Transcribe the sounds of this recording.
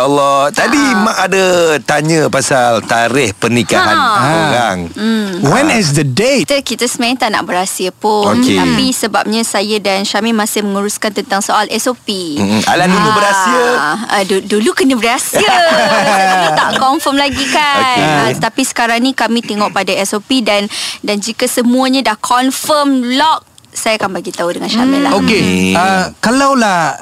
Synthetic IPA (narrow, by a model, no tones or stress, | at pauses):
ɔlːɔt̪abimãʔadat̪aɲə̃pasalt̪aɾɪhpərnikaɦanoɾaŋ̩wɛnɛs̬d̪ədet̪əkit̪asəmãɛŋt̪aʔna̰ʔbəɾasiəpʊonket̪apisəbap̚ɲə̃sajədansamimãsɪhməŋuɾuskant̪ənt̪aŋsoʔalɛsopia̰ladulubəɾasiəədudulukənəbəɾasiə | t̪a̰ʔkɔnfəmlaɡikanat̪apisə̥kaɾaŋnĩkamĩt̪eŋɔʔ̚padaɛsopidandand͡ʒikəsəmũaɲadahkʰɔnfəmlɔk̚ | sajaːkanbaɡit̪audəŋanʃamilaokeəkalawlah